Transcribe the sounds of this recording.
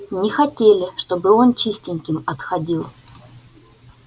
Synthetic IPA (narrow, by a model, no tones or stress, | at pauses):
nʲɪxɐtʲelʲɪʂt̪o̞bɨo̞nt͡ɕisʲtʲɪnʲkʲɪmɐt̪xɐdʲilˠ